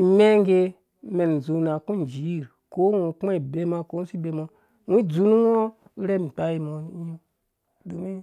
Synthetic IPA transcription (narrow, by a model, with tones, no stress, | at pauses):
i˨me˦ŋɡe˧ | me˨n˨zu˨na˨ku˦n˨d͡ʒi˨˦˨ɾ | ko˦wu˨k͡pa˦i˨be˧ma˧ko˦n˦si˦be˧mo˧ | wu˦d͡zu˦nu˦wo˦ | ɾe˦m̩˨k͡pa˦ji˧mo˨˦u˦ | du˨mi˦